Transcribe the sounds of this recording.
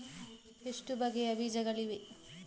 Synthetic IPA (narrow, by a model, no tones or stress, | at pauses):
eʂʈubɐɡejɐbid͡ʒɐɡɐɭiʋe